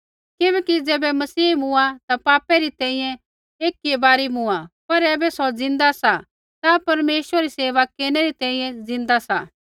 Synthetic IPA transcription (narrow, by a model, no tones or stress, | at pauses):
kɪbɛːkid͡zɛːbɛmɐsiːmʊ̃at̪apaːpɛɾit̪ɛ̃ːĩjɛ̃ | eːkːiebaːɾimũapɐɾɛːbɛsɔd͡zɪ̃nd̪asa | t̪apɐɾmeːʃəɾeɾiseːʋakeːnɛɾit̪ɛ̃ːĩjɛ̃d͡zɪ̃nd̪asa